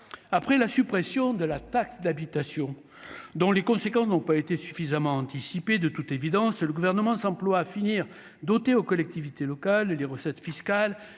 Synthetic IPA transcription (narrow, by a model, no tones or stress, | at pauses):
apχɛlasypχesjɔ̃d̪əlat̪aksd̪abit̪asjɔ̃ | d̪ɔ̃lekɔ̃sekɑ̃snɔ̃paet̪esy̥fizamɑ̃ɑ̃t̪isiped̪ət̪ut̪evid̪ɑ̃sləɡuvɛʁnəmɑ̃sɑ̃plwaːfiniʁ | d̪ɔt̪eokɔlɛk̚t̪ivit̪elɔkalleʁəsɛt̪fiskal